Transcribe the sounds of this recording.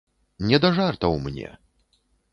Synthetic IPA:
nʲɛd̪ɐʐart̪ɐwmnʲɛ̰

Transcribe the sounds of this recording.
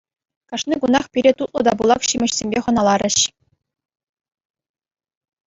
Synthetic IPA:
kɑʂnʲiɡunɑχpʲiɾʲet̪ut̪̚lˠɤ̆d̪ɑbulˠɑkɕimʲɘ̆ɕsʲemʲbʲeχɤ̆nɑlˠɑɾʲɘ̆ɕ

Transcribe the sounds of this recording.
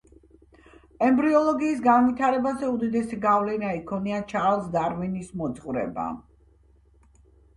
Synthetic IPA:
ɛmbɾiɔlˠɔɡiːsɡanvit̪ʰaɾɛbazɛud̪id̪ɛsiɡavlɛnaikʰɔniat͡ʃʰalˠsd̪aɾvinismɔt̪sʼqʼvɾɛ̰ba̰

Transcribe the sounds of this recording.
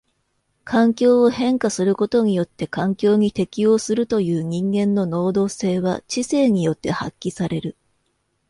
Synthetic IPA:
kʰãŋkʲo̞ːohẽ̞ŋkasɨɾɯ̟ko̞t̪o̞ɲ̟ijo̞t̪ːe̞kãŋkʲo̞ːɲ̟it̪e̞kʲijo̞ːsɨɾɯ̟t̪o̞jɯ̟ːɲ̟ĩŋɡẽ̞nːo̞no̞ːd̪o̞ːse̞ːβa̰t͡ɕise̞ːɲ̟ijo̞t̪ːe̞ha̰kʲːisaɾe̞ɾɯ̟

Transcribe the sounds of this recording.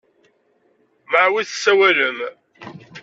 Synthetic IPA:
maʕwiθsːæwæləm

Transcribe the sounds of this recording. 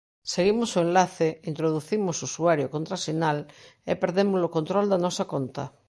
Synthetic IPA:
seɣimosoẽnlaθeint̪ɾoðuθimʊsusuaɾjokont̪ɾasinalepeɾðemʊzlokont̪ɾɔld̪anɔsakont̪ɐ

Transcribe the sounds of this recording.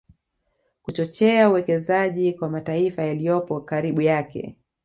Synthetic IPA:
kut͡ʃɔt͡ʃɛauwɛkɛzaʄikwamataifajalijɔpɔkaɾiɓujakɛ̰

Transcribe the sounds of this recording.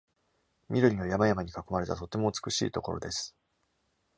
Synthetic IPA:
mʲiɾɯ̟ɲʲinojamajamaɲ̟ikakːo̞maɾe̞t̪at̪o̞t̪ːe̞mo̞ɯt͡sɨ̥kɯ̟ɕḭːt̪o̞ko̞ɾo̞̰d̪e̞sɨ̥

